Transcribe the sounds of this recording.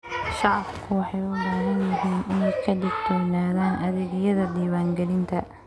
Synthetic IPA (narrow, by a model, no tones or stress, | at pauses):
ʃɑʕɑbkʰʊwɑħɑjʊbaːɦɐnjmʊɦiːnɪnɛjkʰɐdɪɡ̚d̪ɔːnaːðaːnʔɐðɛːɣjɐðɐd̪iːwaːŋɡɛlɪnt̪ʰɐ